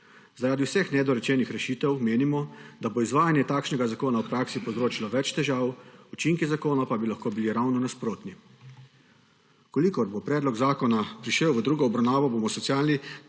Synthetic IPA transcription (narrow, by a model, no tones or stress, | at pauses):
zaɾaːd̪iwsɛxnɛd̪ɔɾɛt͡ʃɛnixɾɛʃiːt̪ɛwmeːnimɔd̪aboizʋaːjanjɛt̪aːkʃnɛɡazakoːnaɔpɾaːksipɔwzɾoːt͡ʃilɔʋɛt͡ʃt̪ɛʒaːwut͡ʃiŋkizakoːnapabilaxkoːbiliɾawnɔnaspɾoːt̪ni | kɔlikɔɾbopɾɛːd̪lɔɡzaːkɔnapɾiʃɛwʋəd̪ɾuːɡɔːbɾawnaːʋɔboːmɔsɔsiaːlni